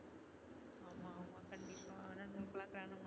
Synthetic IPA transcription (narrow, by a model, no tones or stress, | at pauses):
amaumakanbikananikəlaklanam